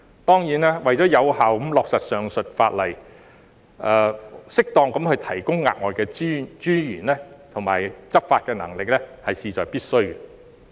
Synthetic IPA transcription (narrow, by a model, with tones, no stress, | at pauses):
t̪ɔː˥ŋjiː˨˥nɛː˥wɐ˨jt͡sɔː˨˥jɐ˨˧whaː˨wɐ˨˦˥mlɔː˧ksɐ˨t̚sœː˨ŋsɵ˨t̚faː˧t̚lɐ˨˩j | ɛː˨˧sɪ˥k̚t̪ɔː˧ŋkɐ˨˥mhɵ˧ɥt̪ʰɐ˨˩jkʊ˥ŋːa̰ː˧t̚ŋɔː˨jkɛː˧˥t͡ʃyː˥jyː˨˩nlɛ˥t̪ʰʊ˨˩ŋma̰ː˨˩jt͡sɐ˥p̚faː˧t̚kɛː˧nɐ˨˩ŋlɪ˨k̚lɛ˥hɐ˨jsiː˨˧t͡sɔː˨jpiː˥t̚sɵ˥ɥɛ